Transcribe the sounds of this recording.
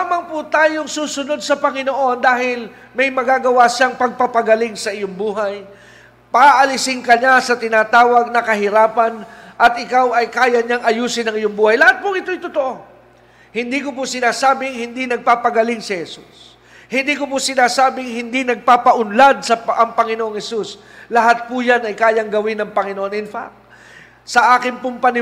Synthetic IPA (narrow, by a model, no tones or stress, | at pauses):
amɐŋpʊt̪aːjoŋsuːsʊno̞d̪̚sɐpɐŋɪnoʔo̞nd̪aːhɪl | mɐjmɐɡaːɡɐwaʃaŋpɐɡ̚pɐpɐɡɐlɪŋsɐʔɪjoŋbuːɦaj | paʔɐlɪsɪŋkɐɲasɐt̪ɪnaːt̪aːwɐɡ̚nɐkɐɦɪɾaːpɐnʔɐt̪̚ʔɪkawʔɐjkaːjɐɲaŋʔɐjuːsɪnɐŋɪjoŋbuːhajlɐhat̪̚pʊŋɪt̪ojt̪ot̪oʔo̞ | hɪnd̪ikʊpʊsɪnaːsaːbɪŋhɪnd̪inɐɡ̚paːpɐɡɐlɪŋsɪhɛsṵs | hɪnd̪iːkʊpʊsɪnaːsaːbɪŋhɪnd̪inɐɡ̚paːpɐʔʊnlad̪̚sɐʔɐŋpɐŋɪnoʔoŋhɛsuslɐɦat̪̚pʊjanɐjkaːjɐŋɡɐwɪnɐŋpɐŋɪnoʔonɪnfa̰k̚ | sɐʔaːkɪŋpʊmpɐnɪ